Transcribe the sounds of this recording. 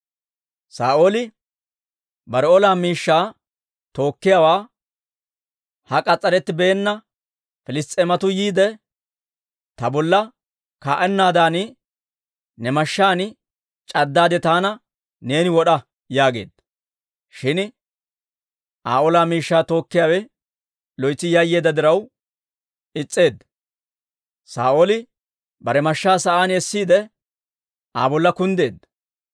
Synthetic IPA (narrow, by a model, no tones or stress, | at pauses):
saːʔoːlɪ | bɐɾɔlaːmiːʃːaː | t̪o̞ːkːɪjawaː | hɐkʼɐt͡sʼːɐɾɛt̪ːɪbeːnːɐ | fɪlɪst̪ʼɛmɐt̪ʊjiːd̪ɛ | t̪ɐbɔlːɐ | kaːʔɛnːaːd̪aːnɪ | nɛmɐʃːaːnɪ | t͡ʃʼɐd̪ːaːd̪ɛt̪aːnɐ | ne̞ːnɪwɔɗɐ | jaːɡe̞̰ːd̪ːɐ | ʃɪn | ʔa̰ːʔoːlaːmiːʃːaːt̪o̞ːkːɪjaːwɛ | lɔjt͡sːɪjɐjːe̞ːd̪ːɐd̪ɪɾɐw | ɪt͡sʼːe̞ːd̪ːɐ̥ | sa̰ːʔoːlɪ | bɐɾɛmɐʃːaːsɐʔaːnɛsːiːd̪ɛ | ʔaːbɔlːɐkʊnd̪e̞̰ːd̪ːɐ